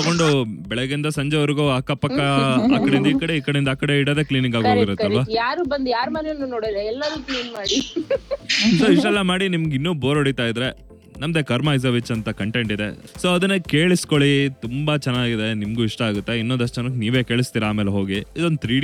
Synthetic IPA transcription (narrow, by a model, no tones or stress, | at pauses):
ɐɡo̞ɳɖubɛɭɛɡind̪ɐsɐɲd͡ʒeʋɐɾiɡuaːkːɐpːɐkːɐaːkːɐɽeind̪ɐiːkɐɽeiːkɐɽeind̪aːkːɐɽeiɽɐd̪e̞ːkliːniŋɡaːɡɦoɡiɾɐtːɐɐɾʋajaːɾuːbɐnd̪jaːɾmɐnonːunoːɽid̪eɛlːɐɾukliːnmaːɽi | soːiʂʈɐɛlːɐmaːɽinimɐɡinːuːboːɾoɽit̪aːjid̪ɾe̞ | nɐmd̪ekɐɾmajz̬ɐʋit͡ʃːɐnt̪ɐkɐɳʈe̞ɳʈid̪ḛ | so̞ːɐd̪ɐnːekeːɭisko̞ɭit̪umbɐt͡ʃɛnːaːɡid̪e̞nimɡuiʂʈɐaːɡut̪ːeinːond̪ɐʃ̬ʂʈːɐt͡ʃɛnɐkniːʋeːke̞ːɭist̪iːɾɐaːmeːleɦo̞ːɡiid̪ond̪ut̪ʰɾiː